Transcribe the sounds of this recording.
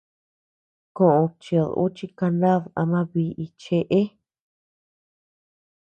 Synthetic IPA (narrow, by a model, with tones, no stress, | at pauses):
kõ˧˨ʔõ˧t͡ʃi˧˨ðṵ˦t͡ʃi˧ka˧nã˦ða̰˧mã˧βi˧ʔi˧t͡ʃe˧ʔe˦